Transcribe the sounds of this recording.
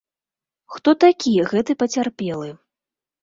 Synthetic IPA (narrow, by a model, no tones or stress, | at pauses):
xt̪ɔt̪akʲijɛɣɛt̪ɨpɐt͡sʲarpʲɛlˠɨ